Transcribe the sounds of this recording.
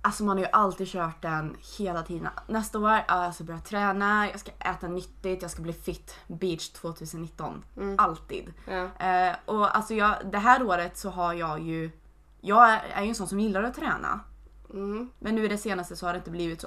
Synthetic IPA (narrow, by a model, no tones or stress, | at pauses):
ʔalsɔmanhaɾjɵʔalt̪iːd̪ɕœːʈ̚d̪ɛnheːlat̪ʰiːd̪ə̰nnɛst̪aoːɾɑːjɑskabœɾɪjat̪ʰɾɛːnajɑ̰ːskaʔɛːt̪anʏt̪ːɪt̪jɑːɡskabliːfɪt̪ːbiːt̪ʂt̪ʰv̥oːt̪ʰʉ̟ːsənːɪt̪ːɔ̰nʔalt̪ḭːd̪ | ʔɔa̰lsɔjɑːd̪ɛɦæːɾoːɾət̪sɔɦaɾjɑːɡjɵ | jɑːɡæ̰ɾjɵɛnsɔnːsɔmjɪlːaɾɔt̪ʰːɾɛːnʔa̰ | mʔɛnːʉ̟ːɪd̪ɛseːnast̪əsɔhad̪ɛɪnt̪əbliːvɪt̪so̰